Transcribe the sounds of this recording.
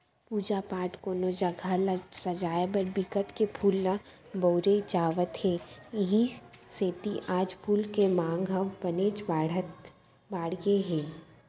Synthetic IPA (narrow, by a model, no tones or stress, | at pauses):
puːd͡ʒapaːʈkoːnod͡ʒɐɡʱalasɐd͡ʒaːjebəɾbɪkəʈkepʰuːlːa | boːɾed͡ʒaːʋət̪heɪɦĩseːt̪iʔaːd͡ʒpʰuːlkemãːŋɡɦɐʋbɐneːd͡ʒbaɽət̪ | baːɽjeɦɛ̃ː